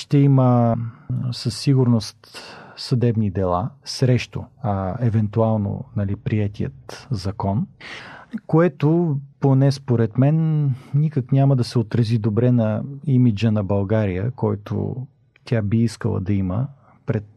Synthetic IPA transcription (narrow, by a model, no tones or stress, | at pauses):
ʃt̪ɛimə | səsːiɡʊɾnost̪sɐd̪ɛbnid̪ɛlˠa̰sɾɛʃt̪o̰ɐɛvɛnt̪ualˠno̰nɐlipɾiɛt̪ijə̰t̪zɐkɔn | koɛt̪oponɛspoɾɛt̪mɛnːikəknʲamɐd̪ɐsɛot̪ɾɐzid̪obɾɛnɐimid͡ʒənɐbɐlˠɡaɾijə̰kɔjt̪o̰ | t̪ʲʰabiiskəlˠə̰d̪ɐimə̰ | pɾɛt̪̚